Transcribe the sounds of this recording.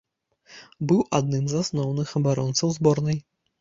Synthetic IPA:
bɨwʔad̪nɨmzasnɔwnɨxɐbaɾɔnt̪sɐwzbɔɾnɨj

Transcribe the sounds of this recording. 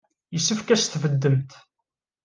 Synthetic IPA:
jəsːəfkæst̪vəd̪ːəmt̪

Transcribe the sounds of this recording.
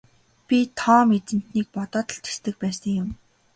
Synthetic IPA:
pʲit̪ʰɔːmet͡sɘ̆n̥t̪niːk̚pɔt̪ɔːt̪ɞ̆ɬt̪ʰe̥st̪ɘ̆k̚pæːsə̆ŋjʊm

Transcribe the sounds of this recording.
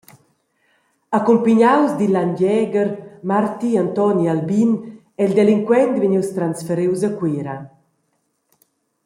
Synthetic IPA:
akumpiɲawzd̪ilandɛːɡəɾmaɾt̪iant̪ɔnialbin | ɛld̪ɛliŋkwɛnt̪veɲiwst̪ɾansfɛɾiwzakwiːɾa

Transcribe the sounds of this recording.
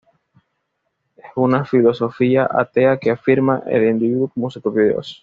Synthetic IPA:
esunafilo̞so̞fiaʔa̰t̪e̞akeafiɾmaʔe̞̰lind̪iβiðukomusupɾopjoðeo̰s

